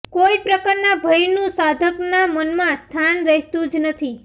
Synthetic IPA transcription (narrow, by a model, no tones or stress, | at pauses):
koipɾəkaɾnabʱəjnũsad̪ʱəknamənmãst̪ʰanɾəɦt̪ũd͡ʒnət̪ʰi